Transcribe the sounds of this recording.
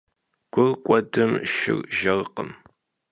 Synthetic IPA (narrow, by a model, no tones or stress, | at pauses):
ɡ̥ʷʊrkʷʼɔdɨmʃɪ̰rʒɐrqə̰m